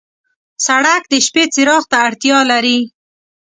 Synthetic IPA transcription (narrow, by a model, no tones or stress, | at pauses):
saɽak̚d̪əʃpet͡sɪɾɑxt̪aːɽt̪jɑlaɾi